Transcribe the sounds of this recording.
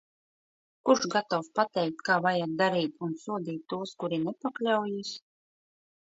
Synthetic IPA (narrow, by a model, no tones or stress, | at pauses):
kuɾʃɡat̪awspat̪ɛjk̚t̪kaːvajat̪̚d̪aɾiːt̪unsuɔd̪iːt̪ːuɔskuɾinɛpaklʲawjis